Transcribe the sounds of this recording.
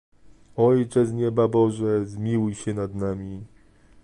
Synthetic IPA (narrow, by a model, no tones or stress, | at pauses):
ɔjt͡ʂɛzɲɛbabɔʐɛzmʲiwujɕɛnad̪namʲi